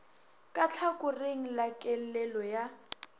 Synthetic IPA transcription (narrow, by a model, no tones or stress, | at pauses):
kʼat͡ɬʰakʊreŋ̩lakʼɛlɛlɔja